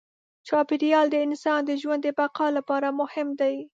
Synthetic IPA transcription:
t͡ʃɑpɪɾjɑld̪əɪnsɑnd̪əʒwand̪d̪əbaqɑlapɑɾamʊhɪmd̪aj

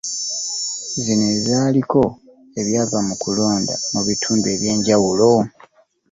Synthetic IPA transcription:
zinezaːliko̞ | e̞βjaːvamukulo̞ːnda̰muβitʰuːmbe̞ːβje̞ːɲɟawulo̞

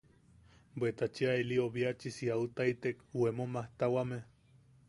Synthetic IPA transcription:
bwet̪at͡ʃiaelioβiat͡ʃisiaut̪ait̪ekuemomaht̪awame

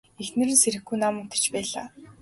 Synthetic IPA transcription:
extnɘ̆ɾɘ̆nseɾɘ̆xɡujnamʊt̪ə̥̆t͡ɕpæːɮa̰ː

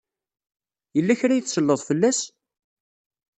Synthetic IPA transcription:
jəlːæçɾæjəθsəlːəðˤfəlːæs

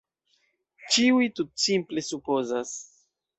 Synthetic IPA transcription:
t͡ʃiujtut̚simple̞supo̞zas

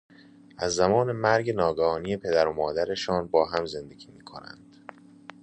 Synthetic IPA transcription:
ʔæzːæmɒːne̞mæɾɟenɒːɡɒɒːniːe̞pʰe̞d̪æɾomɒːd̪æɾe̞ʃɒːnbɒːɦæmze̞nd̪e̞ɡʲiːmiːkʰo̰næ̰nd̪̥

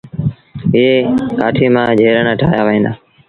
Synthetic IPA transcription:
ɪɦeːkaːʈʰiːmãːd͡ʒʱeːɾənaːʈʰaːjaːʋĩːnd̪aː

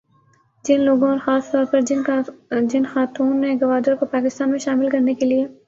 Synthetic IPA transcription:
d͡ʒɪnloːɡõɔːɾxaːst̪ɔːɾpɐɾd͡ʒɪnd͡ʒɪnxaːt̪uːnːeɡɐʋaːd̪əɾkopaːkɪst̪aːnmẽʃaːmɪlkɐɾnekelie

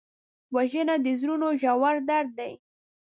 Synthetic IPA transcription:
waʒənad̪əzɾunoʒawaɾd̪aɾd̪̚ːaj

